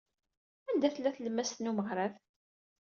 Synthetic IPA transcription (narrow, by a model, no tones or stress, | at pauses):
ænd̪æθlːæθləmːæst̪numəʁɾˤaf